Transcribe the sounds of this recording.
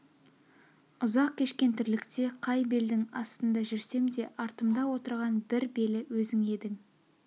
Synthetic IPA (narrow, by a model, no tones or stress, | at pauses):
ʊzɑq̚kʲʰe̞ʃkʲe̞nt̪ʰʏɾlɪkt̪e̞qʰɑjbe̞ld̪ɪŋɑ̰st̪ənd̪ɑʒʏɾse̞md̪e̞ʔɑɾt̪əmd̪ɑwo̞t̪əɾʁɑnbɪɾbe̞lɪwɵzɪŋe̞d̪ɪŋ